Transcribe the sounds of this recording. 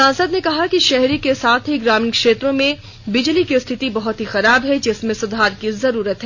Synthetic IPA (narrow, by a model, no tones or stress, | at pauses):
sãːnsəd̪nekɐɦakiʃɛɦɾikesaːt̪ʰɦiɡɾaːminkʃeːt̪ɾõmẽ | bɪd͡ʒlikist̪ʰɪt̪ibɐɦʊt̪ɦixɐɾaːbɦɛd͡ʒɪsmẽsʊd̪ʱaːɾkizɐɾuːɾət̪ɦɛ